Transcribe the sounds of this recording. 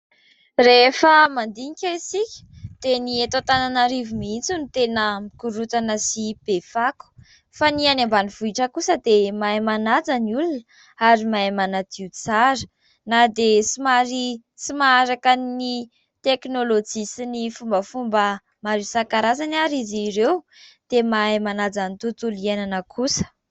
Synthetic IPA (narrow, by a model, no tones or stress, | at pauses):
refəmand̪iŋikʲaisikʲə̥d̪̥eniet̪at̪ananaɾivumint͡sunit̪enəmikuɾut̪anəsib̥efaku̥ | fanianambaniv̥uiʈ͡ʂəkusəd̪emaemanad͡zaniulunə | aɾimaemanad̪iut͡saɾə̥ | nad̪esimaɾi | simaaɾakani | t̪eknolod͡ʒisinifumbəfumbə | maɾisakaɾazanaɾiziɾew | d̪̥emajmanad͡zanit̪ut̪ulienanəkʰusə̥